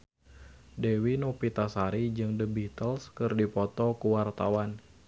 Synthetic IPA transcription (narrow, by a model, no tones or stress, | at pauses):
dewinɔpit̪asaɾid͡ʒɨŋdəbiht̪əlskɨrdipɔt̪ɔkuwart̪awan